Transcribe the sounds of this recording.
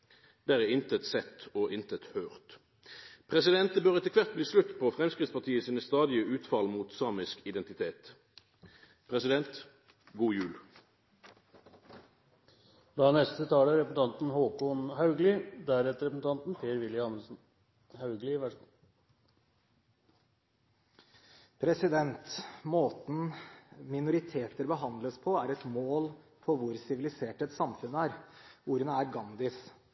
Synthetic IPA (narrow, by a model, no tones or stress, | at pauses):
d̪̥æːʁɛɪnt̪ət̪sɛt̪ːoːʔɪnt̪ət̪høːʁt̪ | pʰʁɛsɪd̪ɛnt̪əbøːʁɛt̪ːəkʰʋæʁt̪̚bliːslʉt̪ːpʰɔfʁɛmskʁɪt̪spɑt̪ʰiːəsiːnəst̪ɑːd̪ɪəʔʉːt̪fɑlmuːt̪sɑːmɪskɪd̪ɛnt̪ɪt̪ʰeːt̪ | pʰʁɛsɪd̪ɛnt̪ | ɡuːjʉːl | flɑnɛst̪ət̪ʰɑːləɾɛpəsn̩t̪ʰɑnt̪n̩hoːkʊnhɑʉɡlɪd̪æɾɛt̪əɾɛpəsn̩t̪ʰɑnt̪n̩pʰeːɾʋɪljɪɑnəsn | hɑʉɡlɪʋæ | pʰɾɛsɪd̪ɛnt̪moːt̪n̩mɪnʊɾɪt̪ʰeːt̪əɾbəɦɑnd̪ləspʰɔæɾɛt̪moːl | pʰɔʋʊɾsɪʋɪlɪseːʈɛt̪sɑmfʉnːəæɾuːɾənəæɾɡɑnd̪ɪs